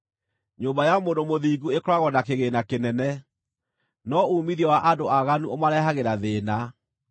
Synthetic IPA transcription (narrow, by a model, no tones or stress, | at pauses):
ɲombajamondomoðiːɡuekɾwaɣɔnakeɣenakenɛnɛ | nɔumiɾiɔwaʔadoaɣanuomaɾɛhaɣeɾaðeːna